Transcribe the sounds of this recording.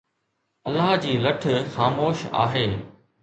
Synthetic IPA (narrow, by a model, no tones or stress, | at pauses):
ɐlːaɦd͡ʑiːlɐʈʰxaːmoːʃa̰ːɦeː